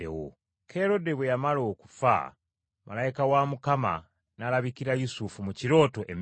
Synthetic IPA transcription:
ḛwo̰ | ke̞ɾo̞deβwejamalo̞ːku̥fa̰ | ma̰laikawamukama̰ | nalaβikiɾajusufumuciɾo̞ːto̞ʔem

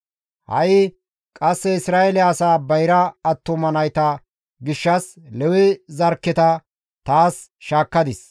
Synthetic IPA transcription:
hɐ̰jɪ | kʼɐsːɛɪsɾaːʔɛlɪɐsaːbɐjɾɐːt̪ːʊmɐnɐjt̪ɐ | ɡɪʃːɐs | lɛwɪzɐɾkːɪt̪ɐ | t̪aːs | ʃaːkːɐd̪ɪs

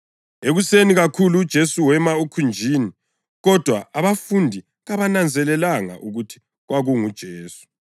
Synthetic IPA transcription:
eɣuseniɣakʰuluːd̥ʒ̥ʱesuwɛmaukʰund͡ʒʱiːni | ɣɔd̥ʱwaaβafundʱi | ɣaβanand͡zʱɛlɛlaŋa̰ʔuɣutʰi̥ | ɣwaɣuŋud̥ʒ̥ʱeːsu̥

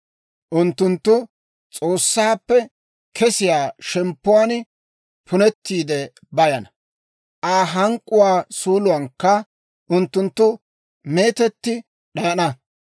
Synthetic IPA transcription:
ʔʊnt̪ːʊnt̪ːʊ | t͡sʼo̞ːsːaːpːɛ | kʰɛsɪjaːʃɛmpːʊwaːn | pʰʊnɛt̪ːiːd̪ɛ | bɐjɐnɐ | ʔaːɦɐŋkʼːʊwaːsuːlʊwɐŋkːɐ | ʔʊnt̪ːʊnt̪ːʊ | me̞ːt̪ɛt̪ːɪ | ɗɐjɐnɐ

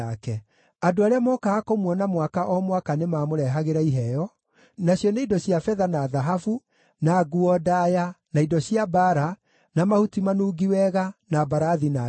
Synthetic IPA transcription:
akɛ | adoaɾeamɔkaːkomwɔnamwakaʔɔmwakanemaːmoɾɛɦaɣeɾaiɦɛjɔ | naɕjɔneidɔɕjafɛðanaðaɦafu | naɡuɔdajanaidɔɕijabaɾa | namahutimanuːɡiwɛɣanabaɾaðina

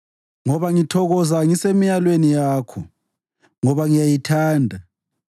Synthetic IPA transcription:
ŋɔβaŋitʰɔɣɔzaŋisemijalwenijaːkʰɔ | ŋɔβaŋijajitʰaːndʱa

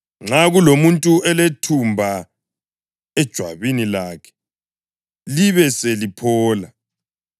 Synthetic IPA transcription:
ŋ͡ǁaɣulomuntʼuɛletʰumbʱa | ɛd̥ʒ̥ʱwa̰βinilakʰɛ̥ | liβɛselipʰɔːla

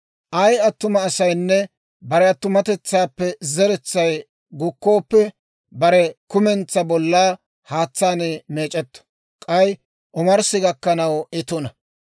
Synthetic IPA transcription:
ʔɐjɐt̪ːʊmɐːsɐjnːɛ | bɐɾɛɐt̪ːʊmɐt̪ɛt͡sːaːpːɛzɛɾɛt͡sːɐj | ɡʊkːo̞ːpːɛ | bɐɾɛkʊmɛnt͡sːɐbɔlːaː | haːt͡sːaːneme̞ːt͡ʃʼɛt̪ːɔ̥ | kʼɐj | ʔɔmɐɾsɪɡɐkːɐnɐwɪt̪ɔnɐ

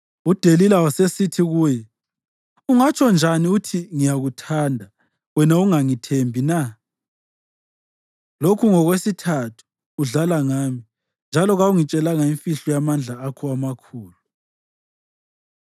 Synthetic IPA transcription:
ud̥ʱelilawasesitʰiɣuːjɛ | uŋat͡ʃʰʼɔnd͡ʒʱaniutʰiŋijaɣutʰaːndʱa | wɛnauŋaŋitʰembʱina | lokʰuŋɔɣwesitʰatʰu̥ː | ɮalaŋaːmi | nd͡ʒʱalɔɣauŋit͡ʃʼɛlaŋaiɱfiɬɔjamand͡ɮʱaːkʰɔamakʰuːlu

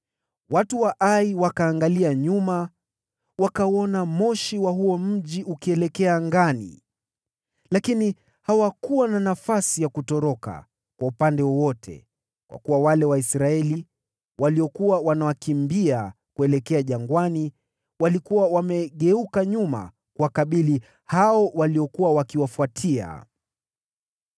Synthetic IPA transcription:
watuwaʔaiwakaːŋɡaliaɲuma | wakaɔnamɔʃiwaɦuɔm̩ʄiʔukiɛlɛkɛaŋɡanḭ | lakini | hawakuwananafasijakutɔɾɔka̰ | kwaupandɛwɔwɔtʰɛ̰ | kwa̰kuwawalɛwaisɾaɛli | wʔaliɔkuwawanawakimbia | kuɛlɛkɛaʄaŋɡwani | walikuwawamɛɠɛukaɲuma̰ | kuwakaɓili | haɔwaliɔkuwawakiwafwatʰia̰

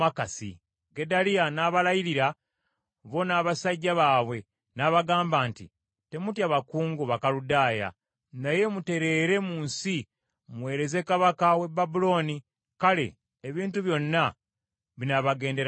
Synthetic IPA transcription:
akasḭ | ɡe̞dalianaːβalajiɾiɾa | βo̞naːβasaɟːaβaːβwe̞ | naβaɡaːmbaːntḭ | te̞mutjaβakuːŋɡuβakaludaːja̰ | naje̞mute̞ɾe̞ːɾe̞muːnsi | mwe̞ːɾe̞ze̞kaβakawe̞bːabulo̞ːni | kale̞̰ː | βiːntuβjo̞nːa | βinaβaɡe̞ːndeɾa

